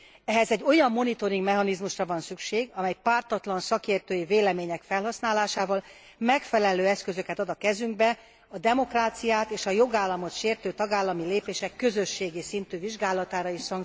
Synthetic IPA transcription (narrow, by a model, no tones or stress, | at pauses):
ɛɦɛzɛɟːo̞jɒmːo̞nit̪o̞ɾiŋɡmɛɦɒnizmuʃrɒvɒnsykʃeːɡɒmɛjpaːrt̪ɒt̪lɒnsɒkeːrt̪øːjiveːlɛmeːɲɛkfɛlɦɒsnaːlaːʃaːvɒl | mɛkfɛlɛløːɛskø̞zø̞kɛt̪ɒd̪ɒkɛzyŋɡbɛ | ɒd̪ɛmo̞kraːt̪sijaːt̪eːʃɒjo̞ɡaːlːɒmo̞t̪ʃeːrt̪øːt̪ɒɡaːlːɒmileːpeːʃɛkːø̞zø̞ʃːeːɡisint̪yːviʒɡaːlɒt̪aːɾɒiːʃsɒŋk